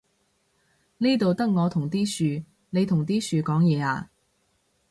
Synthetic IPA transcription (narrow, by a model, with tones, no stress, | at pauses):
niː˥t̪o˨wt̪ɐ˥k̚ŋɔː˨˧t̪ʰʊ˨˩ŋt̪iː˥syː˨˧ | ne˨˧t̪ʰʊ˨˩ŋt̪iː˥syː˧kɔː˨˥ŋjɛː˨˧a̰ː˧